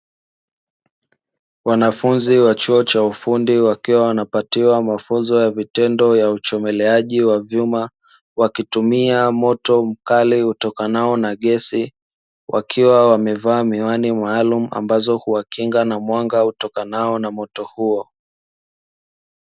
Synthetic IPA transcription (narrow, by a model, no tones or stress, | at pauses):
wanafunziwat͡ʃuɔt͡ʃaufundiwakiwawanapatiwamafunzɔjavitɛndɔjaut͡ʃɔmɛlɛaʄiwavjuma | wakitumiamɔtɔm̩kaliutɔkanaɔnaɠɛsi | wʔa̰kʰiwawamɛvaːmiwanimaːlumua̰mbazɔhuwakiŋɡanamwaŋɡautɔkanaɔnamɔtɔhuɔ